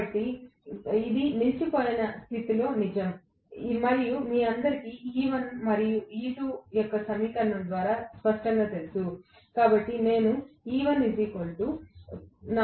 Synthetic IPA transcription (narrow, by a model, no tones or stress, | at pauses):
ɐʈːi | id̪iniɾt͡ʃipoːjɐnɐst̪ʰit̪ilo̞ːnid͡ʒɐm | mɐɾijumiːɐnd̪ɐɾikiiːʋɐnmɐɾijuiːʈujɔkːɐsɐmiːt̪ɐnːɐmd̪ʋaːɾaːspɐʂʈɐŋɡaːt̪elusu | kaːbɐʈːine̞ːnuiːʋɐnid̪ikoɳʈu | na